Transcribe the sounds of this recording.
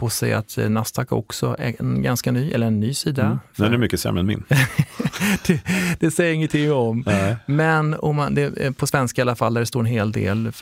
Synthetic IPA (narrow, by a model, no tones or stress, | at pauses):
pʰosɛ̰ja̰t̪nast̪ʰaka̰ɔ̰ksɔ̰ɛ̰ɛnɡanskanyːʔɛlːəɾɛnːyːsiːd̪aɛɛmʏkːəsɛ̰mɛnmɪ̰n | d̪̥ɛd̪̥ɛsɛjːəɾɪŋːənt̪ʰɪŋːɔmmɛnɔmːand̪ɛpʰɔsvɛnskaɪalːafald̪æɖɛst̪oːɾɛnɦeːld̪ḛːl